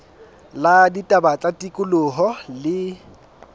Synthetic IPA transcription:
laditʼabat͡sʼatʼikʼʊlʊɦɔlɪ

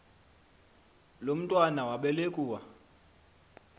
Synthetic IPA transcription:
lom̩tʼwanawaɓɛlekʼuːwa

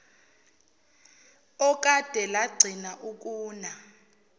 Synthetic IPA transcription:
ɔk̬ʼad̥ʱɛlaɡ͡ǀʱinaʔuk̬ʼuːna

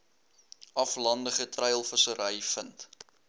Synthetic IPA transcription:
ʔɐflɐndəχətrɛjlˠfəsəɾəjfənt

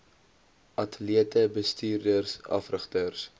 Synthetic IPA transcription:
ʔɐtəliətəbəstiːrdərsɐ̰frəχtərs

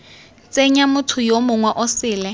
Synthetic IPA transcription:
t͡sʼeɲamʊtʰʊjomʊŋwɛʔʊsɪːlɛ

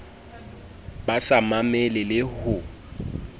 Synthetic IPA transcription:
basamamɛlɪlɪhʊ

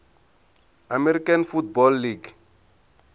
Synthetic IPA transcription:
amɛɾikʼanfut̚bɔlːiɡ

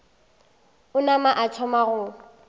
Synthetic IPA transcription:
ʊnamaʔatʰɔmaɣʊ

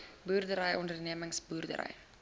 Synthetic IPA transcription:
buːrdəɾəjʔɔndərniəməŋsbuːrdə̰ɾə̰j

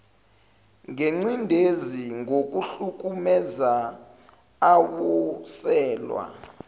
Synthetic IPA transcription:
ŋeŋ͡ǀindʱeziŋɡok̬ʼuɬuk̬umɛza | awɔsɛːlwa̰

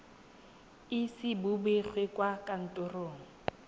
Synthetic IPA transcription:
ɪsɪbʊbek͡xʰwekʼwakʼan̩tʼʊroːŋ̩

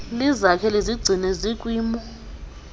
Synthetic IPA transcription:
lizakʰɛliziɡ͡ǀʱinɛzikʼwiːmɔ

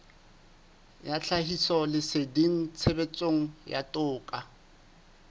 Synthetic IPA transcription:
jat͡ɬʰahisɔlɪsediŋ̩t͡sʰebet͡sʼoŋ̩ja̰tʼʊːkʼa

